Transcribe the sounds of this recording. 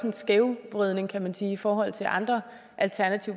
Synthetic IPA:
nsɡ̥eʊb̥ʁið̞ˠne̝ŋkʰæmænsiːifɒːɦɒ̽l̰ˠt͡sʰe̝lʔɑ̈nd̥ʁɐ | ʔælt͡sʰæɐnæt͡sʰiʊ̰

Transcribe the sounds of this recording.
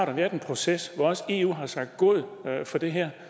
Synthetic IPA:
ɾɐʋeæɐd̥enpʰʁo̝sesʋɒɒ̽səe̝ːṵːɦɑ̈sɑ̈ɡ̥̚d̥̚ɡ̥ɔ̝ð̞̩̰ˠfɒ̽d̥e̝ɦæɐ̰

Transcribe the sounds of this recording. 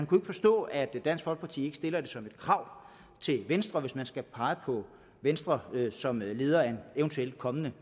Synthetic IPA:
hænkʰue̝ɡ̥əfɒ̽sd̥ɔ̰̽ːæd̥d̥æn̰sɡ̥fɒ̽lɡ̥̚pʰɑ̈t͡sʰḭːe̝ɡ̥əsd̥e̝lɐd̥e̝sɒ̽me̝d̥kʰʁɑ̈ʊ̰ | t͡sʰe̝lʋensd̥ʁɐʋe̝smænsɡ̥æpʰɑ̈ɪpʰɒ̽ | ʋensd̥ʁɐsɒ̽mle̝ːð̞ˠɐæeneʊnt͡sʰuel̰d̥kʰɒ̽mənə

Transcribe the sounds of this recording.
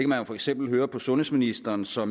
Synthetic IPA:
ɡ̥əmænfɒeɡ̥sem̰b̥l̩ɦøːɐpʰɒ̽sɔ̽nhesminisd̥ɐːnsɒ̽m

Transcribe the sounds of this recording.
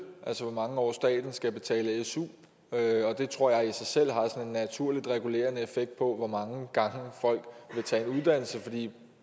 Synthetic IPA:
ʔælsəʋɒmɑ̈ŋəɒ̰ːsd̥ɛ̰ːd̥n̩sɡ̥æb̥e̝t͡sʰɛ̰ːləesṵː | øɒ̽d̥e̝t͡sʰʁo̝ɐ̰jɑ̈ɪisɑ̈ɪsel̰ɦɑ̈sɒ̽ne̝nːæt͡sʰuɐ̰lid̥ʁɛɡ̥ule̝̰ːɐnəe̝feɡ̥̚d̥̚pʰɒ̽ʋɒmɑ̈ŋəɡ̥ɑ̈ŋəfɒ̽l̰ɡ̥ʋe̝t͡sʰɛ̰ːe̝nuð̞ˠd̥æn̰l̩səfɒ̽d̥ḭː

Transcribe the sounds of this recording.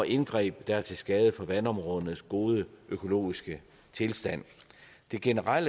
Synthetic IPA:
ɒ̽ʔe̝nɡ̥ʁɛ̰ːb̥d̥æɐt͡sʰe̝sɡ̥ɛð̞̩ˠfɒ̽ʋænɒ̽mʁɔːð̞ˠən̩sɡ̥o̝ːð̞ˠəʔøkʰo̝lo̝̰ːisɡ̥ə | t͡sʰe̝lsd̥æn̰ | d̥e̝ɡ̥e̝nəʁɑl̰

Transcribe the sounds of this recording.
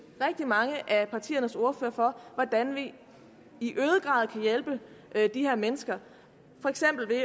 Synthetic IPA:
ʁɛɡ̥̚d̥imɑ̈ŋəʔæpʰɑ̈t͡sʰḭːɐnəso̝ɐfø̰ːɐfɒ̽ʋɒd̥ænʋi | iʔøːð̞ˠəɡ̥ʁɑ̈ːð̞̩ˠkʰæjelb̥əʔd̥ihæɐmenəsɡ̥ɐ | fɒ̽eɡ̥sem̰b̥l̩ʋe̝

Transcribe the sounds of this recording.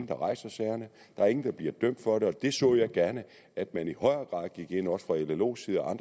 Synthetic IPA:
n̩d̥ɑ̈ʁɑ̈ɪ̰sɐsæːɐnə | d̥ɑ̈æɐe̝ŋn̩d̥ɑ̈b̥liɐd̥œm̰d̥fɒ̽ɾeɒ̽d̥e̝sɔ̰̽ːjɑ̈ɪɡ̥æɐnə | æd̥mænihɒ̽ɪɐːɡ̥ʁɑ̰̈ːð̰ˠɡ̥iɡ̥e̝n̰ɒ̽sfʁɑ̈elelo̝̰ːsiːðˠɒʔɑ̈nd̥

